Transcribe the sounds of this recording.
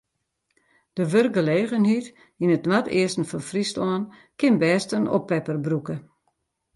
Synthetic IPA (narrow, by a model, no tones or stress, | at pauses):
d̥əʋørkɡəleːɣənɦit | inətnwatɪ̰əstn̩fɔnfristɔːn | kɪnbɛːstəno̰pːɛpərbrukə